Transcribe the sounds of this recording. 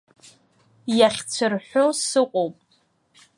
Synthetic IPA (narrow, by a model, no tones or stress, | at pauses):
jaχʲt͡sʷʰɨrħʷosɨqʷʼowpʼ